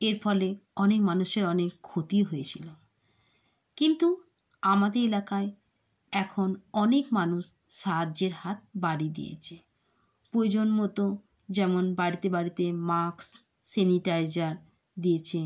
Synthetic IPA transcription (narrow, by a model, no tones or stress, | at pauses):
eɾfɔleɔnekmanuʃeɾɔnekʰːot̪iɦoet͡ɕʰilo | kint̪u | amad̪eɾelakae | ɛkʰonɔnekmanuʃ | ʃaɦadd͡ʑeɾhat̪̚baɽid̪ḭjḛt͡ɕʰe | pɾoed͡ʑonmɔt̪o | d͡ʑɛmonbaɽit̪ebaɽit̪emaɾksː | eniʈajd͡ʑaɾ | d̪ijet͡ɕʰe